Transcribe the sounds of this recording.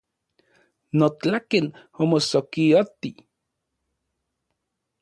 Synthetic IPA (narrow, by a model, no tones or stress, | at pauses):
not͡ɬaken | omosokiot̪i